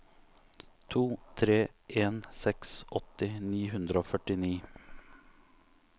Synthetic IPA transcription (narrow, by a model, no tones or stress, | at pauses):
t̪ʰuːt̪ʰɾeːʔeːnsɛksʔɔt̪ɪniːɦʉnd̪ɾəoːfœʈɪniː